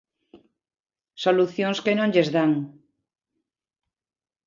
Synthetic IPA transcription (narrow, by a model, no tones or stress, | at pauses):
soluθjoŋskenõŋʎezðaŋ